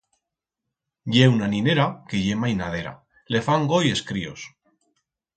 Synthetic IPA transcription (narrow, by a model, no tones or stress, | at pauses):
ɟ͡ʝeunanĩne̞ɾake̞ʝe̞majnaðe̞ɾa̰ | le̞faŋɡoje̞skɾio̞̰s